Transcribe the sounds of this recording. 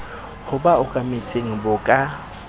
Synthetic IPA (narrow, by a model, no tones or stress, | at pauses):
hʊbaʊkʼamet͡sʼeŋ̩bʊkʼa